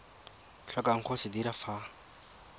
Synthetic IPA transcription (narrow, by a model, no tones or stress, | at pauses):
ɬɔkaŋ̩χʰosɪdiɾafa